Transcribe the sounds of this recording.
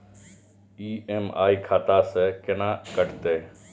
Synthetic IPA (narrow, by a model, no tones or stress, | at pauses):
iːʔema̰ːiːkʰaːt̪aːseːkɪnãːkəʈt̪eː